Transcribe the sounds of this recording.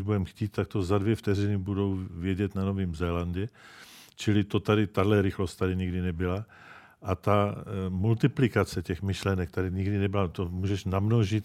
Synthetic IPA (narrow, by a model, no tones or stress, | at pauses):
ʒbudɛmxciːt̪t̪ak̚t̪ozadvjɛft̪ɛɾɪnɪbudo̞wvjɛɟɛt̪nano̞viːmzɛlandɛt͡ʃɪlɪt̪ot̪adɪt̪adlɛɾɪxlo̞st̪t̪adɪɲɪɡdɪnɛbɪla | ʔat̪amult̪ɪplɪkat͡sɛcɛxmɪʃlɛnɛk̚t̪adɪɲiɡdɪnɛbɪlat̪omuːʒɛʃnamnoʒɪt̪